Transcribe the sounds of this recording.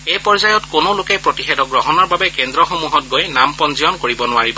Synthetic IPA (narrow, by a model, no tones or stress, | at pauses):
ejpɔɹzajɔtkonolʊkɛpɹotixɛdɔɡɹɔɦɔnɔɹbabɛkɛndɹɔxomuɦɔt̚ɡojnampɔnzijɔnkoɹibɔnʊaɹibɔ